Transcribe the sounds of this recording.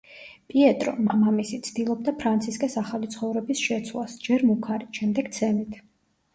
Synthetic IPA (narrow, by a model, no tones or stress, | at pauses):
pʼiɛt̪ʼɾɔ̰mamamisit̪sʰd̪̥ilˠɔb̚d̪apʰɾant̪sʰiskʼɛsaχalit̪sʰχɔvɾɛbisʃɛt̪sʰwlˠasd͡ʒɛɾmukʰaɾiʃɛmd̪ɛɡt̪sʰɛnit̪ʰ